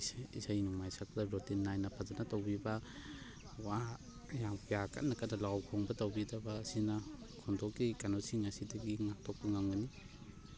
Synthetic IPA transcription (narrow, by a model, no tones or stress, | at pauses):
isajnuŋmajsak̚daɾɔtinːajnɐpʰazanatawbibɐ | wa | jampijaka̰tnakanalawkʰɔŋbɐtawbidɐbaːsinakʰɔndɔkikanosiŋasidɐɡiŋatʰɔk̚puŋaŋani